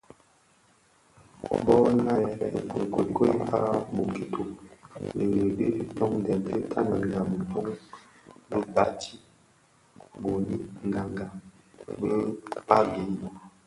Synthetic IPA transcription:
bɔ˦na˦jɛ˨ɾɛ̰˦˨o˨ŋ˨ko˨ko˦i˦pa˦bo˨ki˨tʰo˦me˨ɡe˨be˦bi˨tɔ˦ŋdɛ˨ntʰe˦tʰa˦na˨ŋ˨a˨mi˨tɔ˦ŋ | be˦ba˦tʰi˦ | ɡo˨ni˦ŋ˨ɡa˨ŋɡa˨ | be˦pa˦ɡe˨˦˨

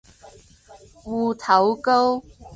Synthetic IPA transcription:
wu˨˧˩t̪ʰa˨˦wko˥w

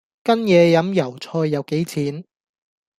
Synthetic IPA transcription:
kɐ˥njɛː˨˧jɐ˨˥mjɐ˨˩wt͡sʰɔː˧jːɐ˨˧wke˨˥jt͡sʰiː˨˥n

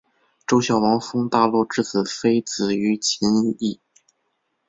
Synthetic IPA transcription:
ʈ͡ʂo˥ʊɕjɑ˨˩ʊwɑ˧˥ŋfɤ˥ŋt̪a˥˧lwɔ˥˩ʈ͡ʂɻ̩˥˩t͡sʰɹ̩˨˩fe˥ɪt͡sɹ̩˨˩y˧˥t͡ɕʰi˧˥ni˥˩

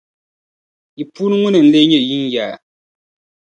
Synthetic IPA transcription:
ji˨puː˦nɨ˦ŋu˦nɨ˨n̩˦le˦ɲɛ˦˨ji˦n˦jaː˨

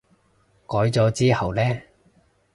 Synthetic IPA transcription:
kɔː˨˥jt͡sɔː˨˧t͡siː˥hɐ˨wlɛː˥

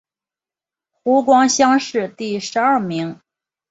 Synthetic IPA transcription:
xu˧˥k̬wɑ˥ŋɕjɑ˥ŋʂɻ̩˥˧t̪i˥˩ʂɻ̩˧˥a˞˥˩mi˧˥ŋ

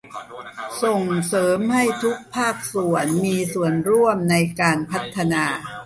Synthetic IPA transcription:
so˨˩ŋsɤː˩˦mha˥˩jt̪ʰu˦˥k̚pʰaː˥˩k̚su˨˩ənmiː˧su˨˩ənɾu˥˩əmna˧jkaː˧npʰa˦˥t̪ʰːa˧naː˧

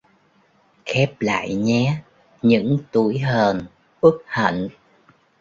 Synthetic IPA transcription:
xɛ˦˥p̚la̰ː˧˨jɲɛ˨˦ | ɲɨ̰˧˥ŋt̪u˧˩əjɦəː˨˩n | ʔɨ˦˥k̚hə̰˧˨n

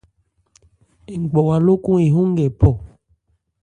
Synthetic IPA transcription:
e˨ŋ˨ɡ͡bɔ˨wa˨lo˦ku˦i˨ɦũ˦ŋ˦ɡɛ˨pɔ˦˨

